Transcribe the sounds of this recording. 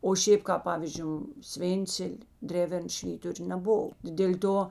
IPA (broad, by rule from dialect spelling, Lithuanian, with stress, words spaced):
oː ˈʃʲeːp kɑːp ˈpɑːʋʲiːzʲd͡ʒʲʊ ˈsʲʋʲeːnʲt͡sʲɛlʲ ˈdʲrʲæːʋʲɛrn ˈʃʲʋʲiːtʊrʲeː nʲɛˈboːw dʲeːlʲ ˈtoː